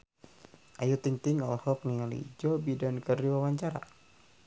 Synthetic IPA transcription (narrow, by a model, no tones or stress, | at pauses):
ʔajut̪iŋt̪ɪŋɔlhɔk̚nialḭd͡ʒɔbidankərdiwawaɲt͡ʃaɾa̰